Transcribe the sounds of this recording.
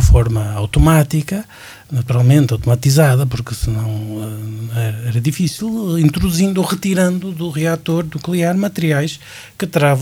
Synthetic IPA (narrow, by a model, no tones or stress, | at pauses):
fɔɾmɐawt̪umat̪ikɐ | nɐt̪uɾalˠmẽnt̪awt̪umɐt̪izaðɐp̬uɾkɨsɨnɐ̃w̃ɛɛɛɾɐðifisilˠĩnt̪ɾuðuzĩnd̪oʁɨt̪iɾɐ̃nd̪uðuʁiat̪oɾnuklˠiaɾmɐt̪ɨɾiajʃ | kɨt̪ɾaṽ